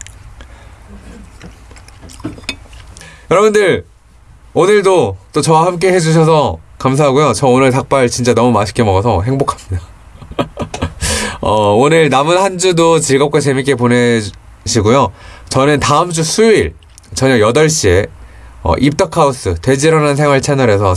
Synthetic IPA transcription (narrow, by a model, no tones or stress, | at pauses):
jʌɾʌbundɯɾ | onɯɭdot͈ot͡ɕʌwahamk̬͈e̞he̞d͡ʑuɕ̬ʰʌsʰʌkamsʰaɦaɡujot͡ɕʌonɯɭtak̚p͈aɭt͡ɕint͡ɕ͈anʌmumaɕʰi̥k͈emʌɡʌsʰʌɦe̞ŋbokʰḁmɲida | ʌonɯɭnamɯnhand͡ʑudot͡ɕiɭɡʌp̚k͈at͡ɕe̞mik͈e̞pone̞ | ɕʰiɡujot͡ɕʌnɯntaɯmd͡ʑusʰuiɭ | t͡ɕʌɲʌjʌdʌɭɕ͈ie̞ʌ̰ʔip̚t͈ʌkʰaus͈ɯte̞d͡ʑiɾʌnansʰe̞ŋwaɭt͡ɕʰenʌɾe̞sʰʌ